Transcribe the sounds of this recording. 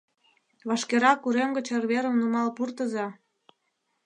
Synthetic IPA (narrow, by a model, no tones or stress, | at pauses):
βɑʃkeɾɑkuɾemɡə̆t͡ɕerβeɾə̆mnumɑlpurt̪ə̆zɑ